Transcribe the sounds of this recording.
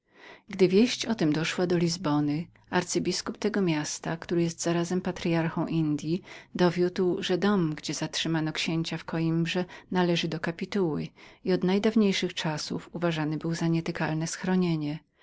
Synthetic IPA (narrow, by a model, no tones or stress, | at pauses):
ɡd̪ɘvʲjeɕt͡ɕɔt̪ɛmd̪ɔʂwad̪ɔlʲizbɔnɘ | aɾt̪sɨbʲiskup̚t̪ɛɡɔmʲjast̪akt̪uɾɘjɛst̪z̥aɾazɛmpat̪ɾʲjaɾxɔ̃w̃ʔind̪ʲjid̪ɔvʲjut̪wʐɛd̪ɔmɡd͡ʑɛzatʂɘmanɔkɕeɲt͡ɕafkɔimbʐɛnalɛʐɘd̪ɔkapʲit̪uwɘ̰iɔd̪najd̪avɲejʂɘxt͡ʂasṵfuvaʐanɘbɘwzaɲɛt̪ɪkalnɛsxɾɔɲeɲɛ